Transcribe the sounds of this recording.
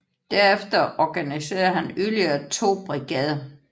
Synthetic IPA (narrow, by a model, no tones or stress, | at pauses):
d̥æɐefd̥ɐʔɒɡ̥ænise̝̰ːɐð̩ˠhænyliɐːt͡sʰo̝̰ːb̥ʁiɡ̥ɛð̞ˠɐ